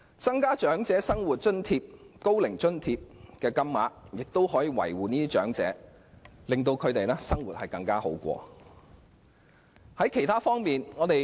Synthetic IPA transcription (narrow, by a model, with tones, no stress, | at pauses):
t͡sɐ˥ŋkaː˥t͡ʃœː˨˥ŋt͡sɛː˨˥sɐ˥ŋwuː˨t̚t͡ʃɵ˥nt̪ʰiː˧p̚ko˥wlɪ˨˩ŋt͡ʃɵ˥nt̪ʰiː˧p̚kɛː˧kɐ˥mːaː˨˥jɪ˨k̚t̪o˥whɔː˨˥jiː˨˧wɐ̰˨˩jwuː˨niː˥t̪iː˥t͡ʃœ̰ː˨˥ŋt͡sɛ̰ː˨˥ | lɪ˨ŋt̪̬o˧wkʰɵ˨˧ɥt̪e˨jlɛː˥sɐ˥ŋwuː˨˩t̚hɐ˨jkɐ˧ŋkaː˥ho̰˨˥wkʷɔ̰ː˧ | hɐ˨˥jkʰe˨˩jt̪ʰaː˥fɔː˥ŋmiː˨nŋɔː˨˧t̪e˨j